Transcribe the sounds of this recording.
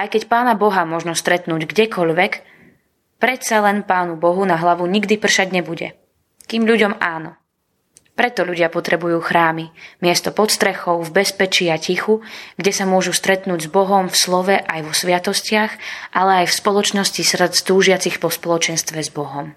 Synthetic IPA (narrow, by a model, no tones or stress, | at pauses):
ʔajkɛcpaːnabɔɦamʊɔʒnɔst̪ɾɛt̪nuːɟɡɟɛkʰɔʎʋɛk | pɾɛt̪salɛnpaːnubɔɦunaɦlaʋuɲiɡd̪ipr̩ʃaɟɲɛbuɟɛ̰ | kiːmʎuɟɔmaːnɔ | pɾɛt̪ɔʎuɟɪapɔt̪ɾɛbujuːxɾaːmimɪɛst̪ɔpɔt̪st̪ɾɛxɔʊvbɛspɛt͡ʃiacixuɡɟɛsamʊɔʒust̪ɾɛt̪nuːɟzbɔɦɔmfslɔʋɛʔajʋɔsʋɪat̪ɔscɪaxʔalɛajfspɔlˠɔt͡ʃnɔscisr̩t̪st̪uːʒɪat͡sixpɔspɔlɔt͡ʃɛnst̪ʋɛzbɔɦɔm